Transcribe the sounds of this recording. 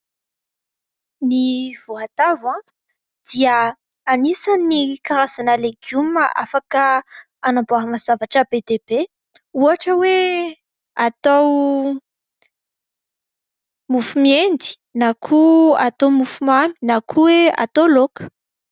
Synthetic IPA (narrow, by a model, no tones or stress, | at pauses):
niv̥oat̪avã | d̪̥iə | anisanikaɾazanəleɡjuməʔa̰fakə | anamboaɦmaz̥avaʈ͡ʂəbed̪eb̥e | uaʈ͡ʂəwe | at̪aw | mufumiend̪i̥ | nakʰuat̪omufumami̥nakʰuwea̰t̪olokə̥